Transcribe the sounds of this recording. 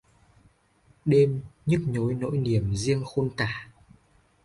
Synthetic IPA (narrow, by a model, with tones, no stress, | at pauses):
ɗe˧mɲɨ˦˥k̚ɲo˨˦jno̰˧˥jni˨˩əmzi˧əŋxo˧nkaː˧˩